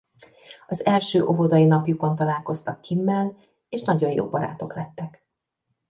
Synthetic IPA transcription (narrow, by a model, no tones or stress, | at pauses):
ɒzɛlʃøːʔo̞vod̪ɒjinɒpjuko̞nt̪ɒlaːlko̞st̪ɒkːimːɛl | eːʃnɒɟo̞jjo̰ːbɒɾa̰ːt̪o̞klɛt̪ːɛk